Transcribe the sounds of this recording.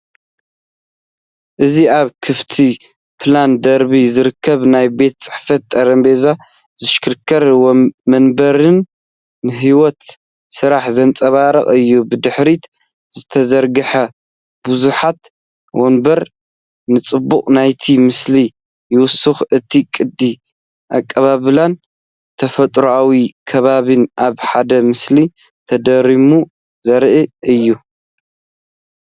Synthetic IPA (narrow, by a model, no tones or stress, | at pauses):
ʔɨziaβkʰɨft̪ʰi | pʰland̪ɐɾbizɨɾɨkʰːɐβnajbe̞t̪t͡sʼɨ̥ħfɐt̪̚ʼːɐɾɐmbe̞za | z̥ɨʃkʰɨɾkʰːɐɾmɐnbɐɾɨnː | ɨɦiwɔt̪ | sɨɾaħzɐnt͡sʼɐβaɾɐχʼɨjːubɨd̪ɨħɾit̪ | z̥ɨt̪ʰɐzɐɾɡɨħɐ | buzuħat̪ | wonbɐɾ | nɨt͡sʼɨbːuqʼnajt̪ʰimɨsli | jɪwʊsɨxɨt̪ʰikʼɨd̪ːi | ʔa̰kʼːɐβaβɨlan | t̪ʰɐfɐt̪ʼɾuawikʰɐβaβɨnʔaβħad̪ɐmɨsli | t̪ʰɐd̪ɐɾimu | zɐɾʔɨʔɨjːu